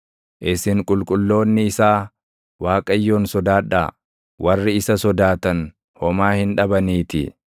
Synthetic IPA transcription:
ʔɪsɪŋkʼʊlkʼʊlːo̞ːnːɪːsaː | waːkʼɐjːo̞ːnsɔd̪aːᶑa̰ː | wʔɐrːɪɪsɐsɔd̪aːt̪ɐn | hɔmaːhɪnᶑɐbɐniːt̪ɪ̰

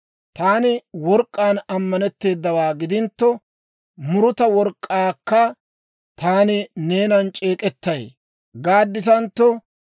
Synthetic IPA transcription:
t̪aːnɪwɔɾkʼːaːnɐmːɐnɛt̪ːe̞ːd̪ːɐwaːɡɪd̪ɪnt̪ːɔ | mʊɾʊt̪ɐwɔɾkʼːaːkːɐ | t̪aːnɪneːnɐnt͡ʃʼe̞ːkʼɛt̪ːɐj | ɡaːd̪ːɪsɐnt̪ːɔ

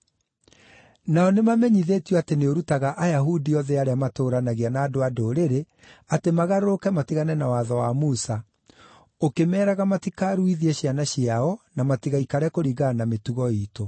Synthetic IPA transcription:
naɔnemamɛɲiðetjɔateneoɾutaɣaʔajaɦudiɔðɛaɾeamatoɾanaɣianaːdoadoɾeɾe | atemaɣaɾoɾokɛmatiɣanɛnawaðɔwamusa | okemɛːɾaɣamatikaɾuiðiɛɕianaɕiaɔnamatiɣaikaɾɛkoɾiɣanametuɣɔiːto

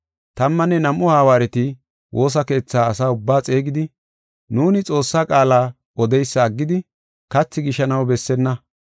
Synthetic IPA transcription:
t̪ɐmːɐnːɛnɐmʔːʊhaːwaːɾɛt̪ɪ | wʔo̞ːs̬ɐke̞ːt͡sːaːsaːʊbːaːt͡sʼe̞ːɡɪd̪ɪ | nuːnɪt͡sʼo̞ːsːaːkʼaːlaː | ɔd̪ɛjsːɐːɡːɪd̪ɪ | kɐt͡sːɪɡɪʃɐnɐwbɛsːɛnːɐ

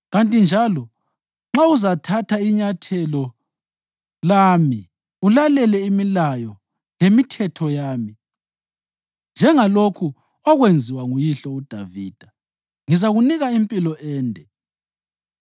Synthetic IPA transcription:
ɣantʼind͡ʒʱalɔ | ŋ͡ǁauzatʰatʰaiɲatʰɛlɔ | lami | ulalɛlɛimilajɔ | lemitʰɛtʰɔjaːmi | nd͡ʒʱɛŋalokʰu | ɔɣwend͡zʱiwaŋujiɬɔud̥ʱaviːd̥ʱa | ŋizaɣuniɣaimpʼilɔʔɛːndʱɛ

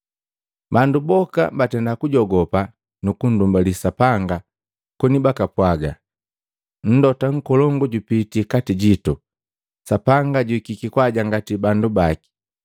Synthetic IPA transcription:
bandubɔka̰mbatɛndakuɟɔɡɔpa | nukun̩dumbalisapaŋɡa | kɔnibakapwaɡa | n̩dɔtaŋ̩kɔlɔŋɡɔɟupitikatiɟitu | sapaŋɡaɟuikikikwaɟaŋɡatibandubaki̥

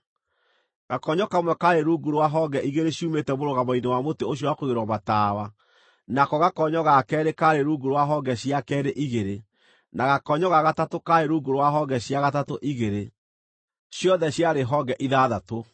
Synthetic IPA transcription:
ɣ̥akɔɲɔkamwɛkaɾeɾuɡuɾwaɦɔɡɛʔiɣeɾeɕiumetɛmoɾoɣamainewamoteoɕ̬jɔwakoɣeɾɔmataːwa | nakɔɣakɔɲɔɣakɛːɾekaɾeɾuɡuɾwaɦɔɡɛɕiakɛɾeʔiɣeɾe | naɣakɔɲɔɣaɣatatokaeɾuɡoɾwaɦɔɡɛɕjaɣatatoʔiɣeɾe | ɕjɔðɛɕjaɾeɦɔɡɛʔiðaːðato

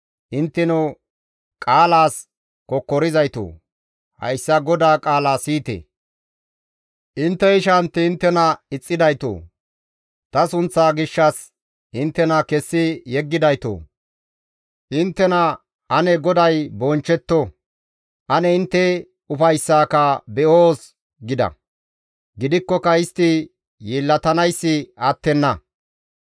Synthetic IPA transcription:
ʔɪnt̪ːɛno | kʼaːlaːs | kɔkːɔɾɪzɐjt̪o̰ː | hɐ̰jsːɐɡɔd̪aːkʼaːlaːsiːt̪ḛː | ʔɪnt̪ːɛɪʃɐnt̪ːɛɪnt̪ːɛnɐɪt͡sʼːɪd̪ɐjt̪o̰ː | t̪ɐsʊnt͡sːaːɡɪʃːɐs | ʔɪnt̪ːɛnɐkɛsːɪjɛɡːɪd̪ɐjt̪o̰ː | ʔɪnt̪ːɛnɐ | ɐnɛɡɔd̪ɐjbɔnt͡ʃːɛt̪ːɔ | ʔɐnɛɪnt̪ːɛ | ʊfɐjsːaːkɐbɛʔoːs | ɡɪd̪ɐ̰ | ɡɪd̪ɪkːɔkɐɪst̪ɪ | jiːlːɐt̪ɐnɐjsːɪɐt̪ːɛnːɐ

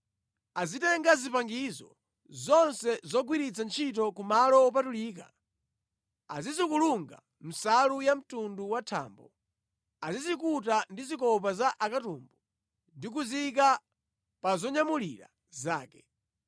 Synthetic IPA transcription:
azitɛŋɡazipaŋɡizɔ̰ | zɔnsɛzɔɡwiɾit͡sant͡ʃʰitɔkumalɔːp̬atuliːk̬a̰ | azizikuluŋɡa̰ | m̩salujam̩tunduwatʰa̰ːmbɔ | azizikutandizikɔp̬azaʔakatuːmbɔ | ndik̬uzik̬a | pazɔɲamuliɾa̰ | zaːkɛ

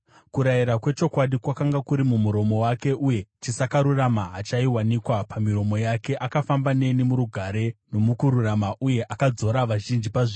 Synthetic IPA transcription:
kuɾajiɾakwe̞t͡ʃo̞kwaɗikwakaŋɡakuɾimumuɾo̞mo̞wake̞ʔuje̞t͡ʃisakaɾuramaɦat͡ʃaiwanikwapamiɾo̞mo̞jake̞ʔakafambane̞nimuɾuɡʱaɾe̞no̞mukuɾuramaʔuje̞ʔakad͡zo̞ɾaʋaʒind͡ʒipaʐe

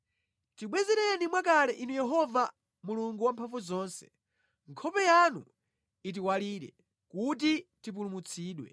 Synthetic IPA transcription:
tiɓwɛzɛɾɛnimwakalɛʔinujɛɦɔva | muluŋɡuwampʰaɱvuzɔːnsɛ̥̰ | ŋkʰɔpɛjanu | it̬iwaliːɾɛ̰ | kutitip̬ulumut͡sʰiːɗwɛ̰

